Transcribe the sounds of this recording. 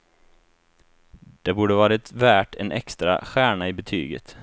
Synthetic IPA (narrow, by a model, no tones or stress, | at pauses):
d̪̥ɛbuːɖəvɑːɾaɛt̪væːʈʰɛnʔɛ̰kst̪ɾa̰ɧæːɳaɪbɛt̪ʰy̰ːɡə̰t̪